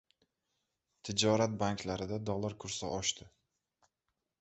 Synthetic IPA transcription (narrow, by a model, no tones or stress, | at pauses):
t̪ʰɪd͡ʒɒɾat̪̚baŋkʰlaɾɪd̪ad̪ɒlˠːaɾkʰʊɾsa̰ʔɒʃt̪ʰɪ